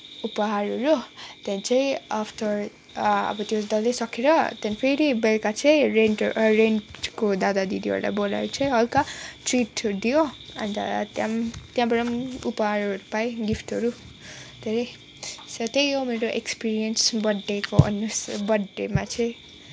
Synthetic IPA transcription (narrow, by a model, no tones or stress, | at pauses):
upʌɦaɾʌɾot̪jãnt͡sʰaĩapʰʈʌr | ʌ̰bʌt̪jod̪ʌlesʌkʰeɾʌt̪jãnpʰeɾibelkat͡sʰʌjɾenɾenkod̪ad̪ad̪id̪iʌ̰ɾla̰bola̰ɾut͡sʰʌj̃ɦʌlkaʈriʈd̪ijoʌ̰nit̪a̰t̪jamt̪jãbʌɾʌmupʌɦaɾʌɾupaĩɡipʈʌɾu | d̪̥ʱeɾe | sʌt̪ejomeɾoʔekspiɾijʌnsbʌɖːekoʔʌ̰nːusbʌɖːemat͡sʰʌ̃j̃